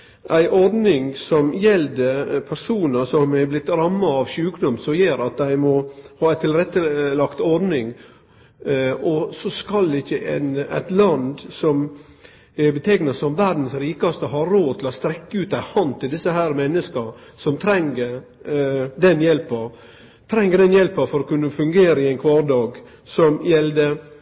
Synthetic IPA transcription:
ʔæɪʔɔɾd̪nɪŋsɔmjɛld̪əpʰæɾsuːnəsɔmæblɪt̪ːɾɑmːɑɑʋɕʉːkd̪ʊmsɔjeːɾɑt̪̚d̪æɪmɔhɑːæɪt̪ʰɪlɾɛt̪ːəlɑkt̪ɔɾd̪nɪŋ | ɔsɔskɑld̪ɛɪçəʔɛ̰næ̰ɪt̪lɑnd̪sɔm | bət̪ʰeːknəsɔmʋæɾd̪n̩sɾiːkɑst̪əhɑːoːd̪t̪ʰɪlɔst̪ɾɛkːəʉːt̪æɪhɑnt̪ʰɪld̪ɪsːəhæːɾmɛnːəskəɾsɔmt̪ʰɾɛŋə | d̪ɛnjɛlpəɾ | t̪ʰɾɛŋːəd̪ɛnjɛlpəfɔɾɔkʉnːəfʉŋɡeːɾəɪæɪnkʰʋɑːd̪ɑːɡ | sɔmjɛld̪ə

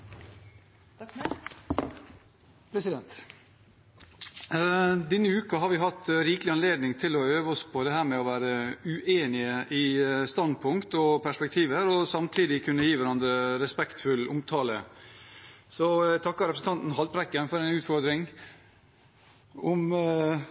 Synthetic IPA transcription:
pʰɾɛsɪd̪ɛnt̪ | d̪ɛnːəʉːkɑɦɑɾʋɪɦɑt̪ːɾiːklɪɑnleːd̪nɪŋt̪ʰɪlɔøːʋɔspʰɔd̪ɛɦæːɾmɛɔʋæːɾəʉʔeːnɪəʔɪst̪ɑnd̪̚pʰʊŋkt̪ɔpʰæʂpɛk̚t̪ʰiːʋəɾɔsɑmt̪ʰiːd̪ɪkʰʉnːəjiːʋæɾɑnd̪ɾəɾɛspɛkt̪fʉlʊmt̪ʰɑːlə̰ | sɔt̪ʰɑkːɑɾɛpɾsn̩t̪ɑnt̪n̩ɦɑlt̪pɾɛkːənfɔɾɛɪnʉːt̪fɔɾd̪ɾɪŋ | ɔm

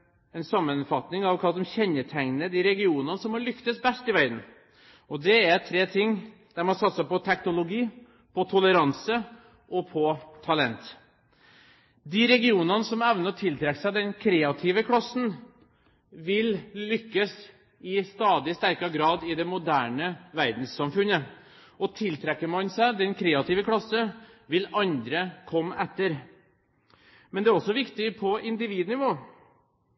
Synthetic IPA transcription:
ɛnsɑmːənfɑt̪nɪŋɑʋkʰɑlɔmɕɛnət̪ʰæŋnəd̪ɪɾɛɡɪuːnɑnəsɔmhɑɭʏkt̪əsbɛst̪ɪʋæɪd̪n̩ | ɔd̪ɛæɾt̪ʰɾeːt̪ʰɪŋːd̪̥æɾmɑnsɑt̪ːsəpɔt̪ʰɛknʊlʊɡiː | pʰɔt̪ʰʊləɾɑnsə | ʔɔpʰɔt̪ʰɑlɛnt̪ | d̪ɪɾɛɡɪuːnɑnəsɔmɛʋnəɔt̪ʰɪlt̪ʰɾɛkːsæd̪ɛnkʰɾeːɑt̪ʰɪʋəkʰɽɑsːn̩ | ʋɪllʏkːəs | ɪst̪ɑːd̪ɪst̪æɾkɑɡɾɑːd̪ɪd̪ɛmʊd̪æːɳəʋæɾd̪n̩sːɑmfʉnə | ɔt̪ʰɪlt̪ʰɾɛkːəmɑnsæɪd̪ɛnkʰɾeːɑt̪ʰiːʋəkʰɽɑsːəʋɪlɑnd̪ɾəkʰɔmːɛt̪ːəɾ | mɛnd̪ɛæɾɔsːɔʋɪkt̪ɪpʰɔʔɪnd̪ɪʋiːd̪ənɪʋoː

